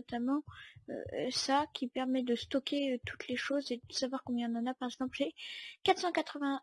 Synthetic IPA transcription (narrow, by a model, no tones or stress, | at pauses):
t̪amɑ̃ø̰sakʲʰipɛʁmɛd̪əst̪ɔkʰʲeøt̪ʰu̥t̪leʃozed̪əsavwaʁkɔ̃mbjɛ̃nɑ̃napaʁɛɡzɑ̃plʒɛkat̪χsɑ̃kat̪χəvɛ̃